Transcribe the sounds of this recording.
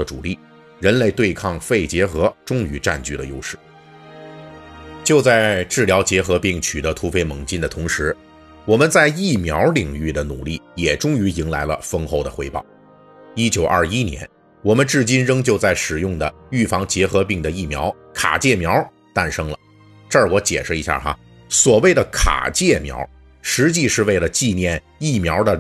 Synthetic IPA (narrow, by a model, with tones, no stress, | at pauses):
ə˧˩ʈ͡ʂṵ˨˩li˥˩ | ɻə˧˥nle˥˧ɪt̪we˥˧ɪkʰɑ˥˧ŋfe˥˩ɪt͡ɕjɛ˧˥xɤ˧˥ʈ͡ʂʊ˥ŋy˧˥ʈ͡ʂa̰˥˧nt͡ɕy˥˩ɾə̰˩jo̰˥ʊʂɻ̩˥˩ | t͡ɕjo˥˧ʊt͡sa˥˧ɪʈ͡ʂɻ̩˥˩ljɑ˧˥ʊt͡ɕjɛ˧˥xɤ˧˥pi˥˩ŋt͡ɕʰy˨˩d̪ə˧˦t̪ʰu˧˥fe˥ɪmɤ˧˥ŋt͡ɕi˥nd̪ə˨t̪ʰʊ˧˥ŋʂɻ̩˧˥ | wɔ˨˩mə˧˦nt͡sa˥˧ɪi˥˩mjɑ˧˥ʊli˨˩ŋy˥˩d̪ə˩nṵ˨˩li˥˩jɛ˨˩ʈ͡ʂʊ˥ŋy˧˥i˧˥ŋla̰˧˥ɪlə̰˧fɤ˥ŋxo˥˩ʊd̪ə˩xwe˧˥ɪpɑ̰˥˩ʊ | i˥t͡ɕjo˨˩ʊʔɐ̰˞˥˧˩i˥njɛ̰˧˥n | wɔ˨˩mə˦nʈ͡ʂɻ̩˥˩t͡ɕi˥nɻɤ˥ŋt͡ɕjo˥˧ʊt͡sa˥˩ɪʂɻ̩˨˩jʊ˥˩ŋd̪ə˩y˥˩fɑ˧˥ŋt͡ɕjɛ˧˥xɤ˧˥pi˥˩ŋd̪ə˩i˥˩mjɑ˧˥ʊ | kʰa̰˨˩t͡ɕjɛ˥˩mjɑ˧˥ʊ | t̪a˥˩nʂɤ˥ŋlə˨ | ʈ͡ʂə˞˥˩wɔ˧˥t͡ɕjɛ̰˨˩ʂɻ̩˥˩i˧˥ɕja̰˥˧˩xa̰˧˥ | swɔ˨˩we˥˩ɪdə˩kʰa̰˨˩t͡ɕjɛ˥˩mjɑ̰˧˥ʊ | ʂɻ̩˧˥t͡ɕi˥˧ʂɻ̩˥˧we˥˩ɪlə˩t͡ɕi˥˧njɛ˥˧n | i˥˩mjɑ˧˥ʊd̪ə˧